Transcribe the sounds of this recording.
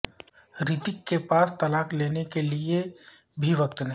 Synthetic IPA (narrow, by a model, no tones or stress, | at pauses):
ɾɪt̪ɪkːepaːst̪ɐlaːxleːnekelie | bʱiʋəkt̪nɐ